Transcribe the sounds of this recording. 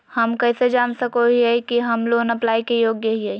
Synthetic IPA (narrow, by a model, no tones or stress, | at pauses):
həmkɛːsed͡ʒaːnsəkoɦiɦɛkiɦəmlonəplaːikejoːɡjəɦiɦɛ